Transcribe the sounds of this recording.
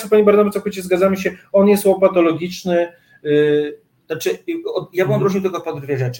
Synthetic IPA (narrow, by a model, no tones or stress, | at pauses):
ɛpaɲibaɾnabat̪sɔkujt͡ɕɛzɡad̪zaməɕɛɔnjɛst̪wɔpat̪ɔlɔɡʲit͡ʂnɘ | at͡ʂɘaɔjabɘmɔd̪ɾuʐɲiwt̪ɛɡɔpɔd̪d̪vʲjɛʐɛt͡ʂɘ̥